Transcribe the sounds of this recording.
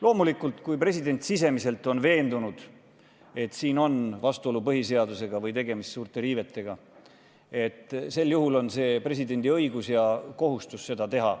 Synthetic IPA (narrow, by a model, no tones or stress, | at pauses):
lo̞ːmulikult̪kujpre̞sʲid̪e̞nʲt̪sis̬e̞mise̞lt̪ˑo̞nve̞ːnd̪unud̪̥ | e̞t̪siːno̞nvɑst̪uo̞lupɤɦise̞ɑd̪use̞ɡɑvɤjt̪e̞ɡe̞mist̪suːrt̪ˑe̞ɾiːve̞t̪ːˑe̞ɡ̥ɑ | e̞t̪ːˑse̞lːjuɦulo̞nse̞ːpre̞s̬id̪e̞nʲd̪iɤ̞iɡusjɑko̞ɦust̪usse̞d̪ɑt̪e̞ɦɑ̰